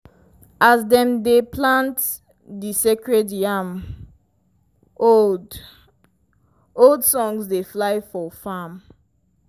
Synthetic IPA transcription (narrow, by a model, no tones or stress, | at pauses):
azdɛ̃mdeplãnt | disekɹɛdjam | od | oldsɔ̃ŋsdeflaɪfɔfam